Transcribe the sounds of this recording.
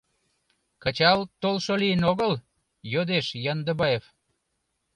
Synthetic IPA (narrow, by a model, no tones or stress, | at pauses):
kə̆t͡ɕɑlt̪olʃoliənoɣəl | jod̪eʃjɑnd̪əβɑjef